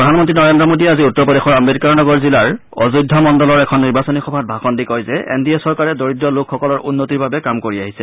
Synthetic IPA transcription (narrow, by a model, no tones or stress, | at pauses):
pɹɔdʱanmɔntɹinɔɹendɹɔmodiɛaziutːɔɹpɔdexɔɹameɾikaɹnɔɡɔɹzilaɹ | ɔ̰zudʱːɔmɔndɔlɔɹɛkʰɔnːiɹbasɔnixɔbʱat̚bʱaxɔndikɔjzɛḛndiɛsɔɹkaɹɛdoɹitːɔlʊkkʰːɔkɔlɔɹunːotiɹbabɛkamkoɹiaɦisɛ